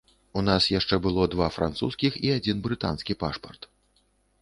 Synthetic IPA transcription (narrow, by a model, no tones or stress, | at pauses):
unasjaʂt͡ʂɛbɨlˠɔd̪vafɾʔa̰nt̪sṵskʲixiad͡zʲinbɾɨt̪a̰nskʲipa̰ʂpɐrt̪